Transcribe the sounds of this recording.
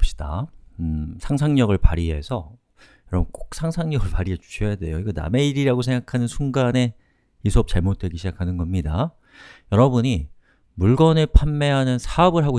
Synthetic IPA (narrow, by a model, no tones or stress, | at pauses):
p̚ɕ͈i̥d̥a̰ | sʰaŋs̬ʰaŋɲʌɡɯɭpa̰ɾiɦe̞sʰʌ | jjʌɾʌbunk͈ok̚sʰaŋsʰaŋɲʌɡɯɭpaɾiɦed͡ʑu̥ɕʰʌjade̞joiɡʌna̰me̞iɾiɾaɡosʰe̞ŋɡakʰanɯnsʰuŋɡane̞ | isʰuʌp̚t͡ɕaɭmot̚t͈we̞ɡiɕʰid͡ʑakʰanɯnɡʌmɲida | jʌɾʌbuɲi | muɭɡʌnɯɭpʰamːe̞ɦanɯnsʰaʌbɯɭɦaɡo